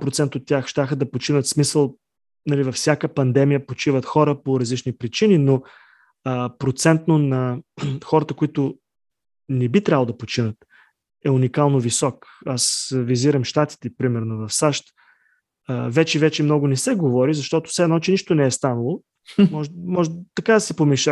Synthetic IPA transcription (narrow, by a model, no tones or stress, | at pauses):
pɾot̪sɛnt̪ot̪ːʲjaxʃt̪ʲaxəd̪ɐpot͡ʃinət̪smisəlˠ | nɐlivɐfsʲjakəpɐnd̪ɛmijəpot͡ʃivət̪xɔɾəpoɾɐzlit͡ʃnipɾit͡ʃinino | əpɾot̪sɛnt̪nonɐxɔɾət̪əkoit̪ʊ | nɛbit̪ɾʲavlˠod̪ɐpot͡ʃinət̪ | ɛunikalˠnovisɔkasviziɾəmʃt̪at̪i̥t̪ɛpɾimɛɾnovɐfsaʃt̪ | əvɛt͡ʃɛvɛt͡ʃɛmnɔɡʊnɛsɛɡovɔɾizɐʃt̪ɔt̪ʊ̥fsɛnɔt͡ʃɛniʃt̪onɛɛst̪anɐlˠo | mɔʒmɔʒɛt̪ɐkad̪ɐsɛpomiʃɛ